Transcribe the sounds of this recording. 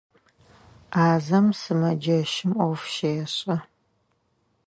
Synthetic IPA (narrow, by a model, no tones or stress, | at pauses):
aːzɐmsɨmɐd͡ʒɐʃɪmʔʷɐwfʃejɛɕʼɐ